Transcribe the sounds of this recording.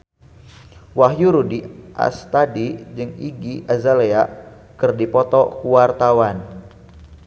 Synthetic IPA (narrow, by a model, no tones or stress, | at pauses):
waɦjuɾudiʔa̰st̪adid͡ʒɨŋḭɡiʔazalea | kɨrdipɔt̪ɔkuwart̪awan